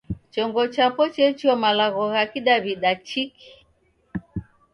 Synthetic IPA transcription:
t͡ʃɔŋɡɔt͡ʃapɔt͡ʃɛt͡ʃiɔmalaɣɔɣakiɗaβiɗat͡ʃiki̥

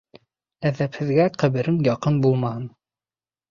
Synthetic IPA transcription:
æðæphɘ̆ðɡæqæβɘ̆ɾɘŋjɑqɤnbulˠmɑhɤn

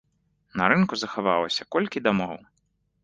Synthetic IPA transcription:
nɐɾɨnkuzɐxava̰lˠɐsʲɐkɔlʲkʲid̪amɔw

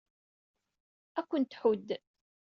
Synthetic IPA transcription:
ækʷːənt̪ħʊd̪ː

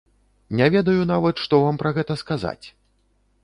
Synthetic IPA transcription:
nʲavʲɛd̪ɐjunavɐt̪ʂt̪ɔvampɾɐɣɛt̪ɐskaza̰t͡sʲ

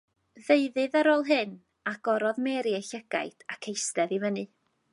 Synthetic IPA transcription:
ðeɨðɨðaɾoːlˠɦɨn | aɡ̥ɔɾɔðmɛɾieɬəɡ̥a̰jd̥akʰejstɛðivənɨ

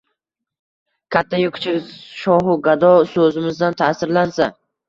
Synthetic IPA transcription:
kʲʰat̪ʰːajʊkʰt͡ʃʰɪʃɒɦʊɡad̪ɒsɵzɪmɪzd̪ant̪ʰaːsɪɾlansa

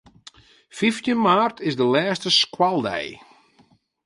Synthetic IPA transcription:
fiftjənmaːrtʰɪzdəlɛːstəskwalˠdɛ̰j

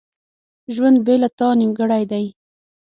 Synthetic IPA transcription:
ʒwand̪̚belat̪ɑnimɡəɽajd̪aj

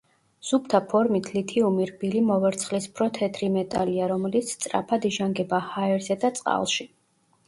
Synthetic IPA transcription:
z̥up̚t̪ʰapʰɔɾmit̪ʰlit̪ʰiumiɾbilimɔvɛɾt̪sʰχlispʰɾɔt̪ʰɛt̪ʰɾimɛt̪ʼa̰liaɾɔmɛlit̪sʰt̪sʼɾa̰pʰad̪iʒaŋɡɛbahaɛɾzɛd̪at̪sʼqʼa̰lˠʃi

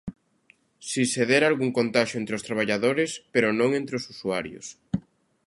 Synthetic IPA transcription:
siseðɛɾalɣuŋkont̪aʃoenɾeost̪ɾaβ̞aʎaðoɾɪspeɾonõŋẽnt̪ɾeosusuaɾjo̰s

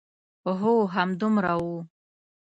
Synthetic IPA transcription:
oɦoɦamd̪umɾawu

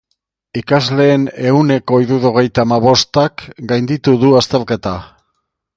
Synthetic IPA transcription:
ikazle̞ːne̞une̞ko̞iðuðoɣ̞e̞jt̪amaβo̞st̪akɡajnd̪it̪uðuast̪e̞lke̞t̪a

